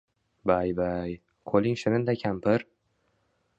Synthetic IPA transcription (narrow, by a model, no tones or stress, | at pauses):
bajbaj | kʰolɪŋʃɪnɪnd̪akʲʰampɪɾ